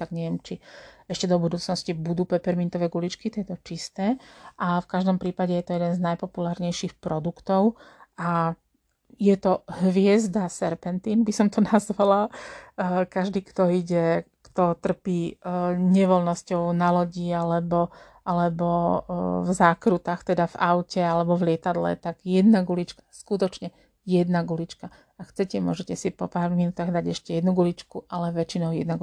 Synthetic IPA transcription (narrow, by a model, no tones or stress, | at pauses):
aɡɲɛʋɛmt͡ʃiɛʃcɛd̪ɔbud̪uːt͡snɔscibud̪uːpɛpɛɾmint̪ɔʋɛːɡulit͡ʃkit̪ɪɛt̪ɔt͡ʃist̪ɛːʔafkaʒd̪ɔmpɾiːpaɟɛjɛt̪ɔjɛd̪ɛnznajpɔpulaːɾɲɛjʃiːxpɾɔd̪ukt̪ɔʊa | jɛt̪ɔɦʋɪɛzd̪asɛɾpɛnt̪iːnbisɔmt̪ɔnazʋala | kaʒd̪iːkt̪ɔiɟɛ | kt̪ɔt̪r̩piːɲɛʋɔlnɔscɔʊnalɔɟialɛbɔ | ʔalɛbɔ | vzaːkɾut̪axt̪ɛd̪ava̰ʊcɛalɛbɔvlɪɛt̪ad̪lɛ̰t̪aɡjɛd̪naɡulit͡ʃkḁskut̪ɔt͡ʃɲɛ | jɛd̪naɡulit͡ʃka | akxt͡sɛcɛmʊɔʒɛcɛsipɔpaːɾminut̪aːɣd̪aɟɛʃcɛjɛd̪nuɡulit͡ʃkuʔalɛʋɛt͡ʃinɔʊjɛd̪naɡ